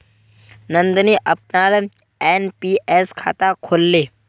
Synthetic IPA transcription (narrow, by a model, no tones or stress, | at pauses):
nə̃nd̪niʔɐp̚naːɾ | eːnpiʔeskʰa̰ːt̪akʰoːlːeː